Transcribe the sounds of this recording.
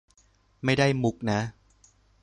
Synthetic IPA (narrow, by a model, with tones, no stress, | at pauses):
ma˥˩jda˥˩jmu˨˦˩k̚na˦˥